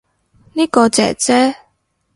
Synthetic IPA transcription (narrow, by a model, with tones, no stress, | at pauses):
niː˥kɔː˧t͡sɛ̰ː˨˩t͡sɛː˥